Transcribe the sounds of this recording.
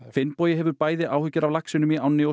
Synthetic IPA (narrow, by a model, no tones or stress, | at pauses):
fɪnpɔːjɪɦɛvʏɾpaːjðɪʔaːwhʏcːʏɾavlaksɪnʏmɪawnɪɔ